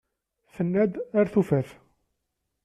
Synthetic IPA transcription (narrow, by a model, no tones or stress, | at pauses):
θənːæd̪aɾθufæθ